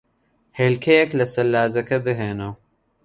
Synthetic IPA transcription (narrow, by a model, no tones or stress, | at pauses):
heːlkʰejeklɐsɐlːaːzɐkɐbɨɦeːnɐw